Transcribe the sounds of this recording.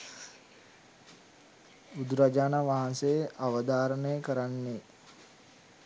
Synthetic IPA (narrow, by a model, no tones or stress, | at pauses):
ud̪ɾad͡ʒaːnaʋaɦansejəʔaʋəd̪aːɾənəjəkəɾanːe